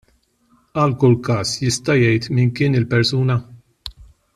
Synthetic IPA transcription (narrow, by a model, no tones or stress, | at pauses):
ɐlkʊlkɐːsjɪst̪ɐjɛjt̪mɪnkɪːnɪlpɛɾsuːnɐ